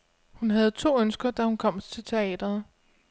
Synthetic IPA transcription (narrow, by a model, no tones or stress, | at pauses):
hunɦæð̞̩ˠt͡sʰo̝̰ːønsɡ̥ɐd̥æhunkʰɒ̽m̰t͡sʰe̝lt͡sʰe̝ɛ̰ːd̥ɐð̩ˠ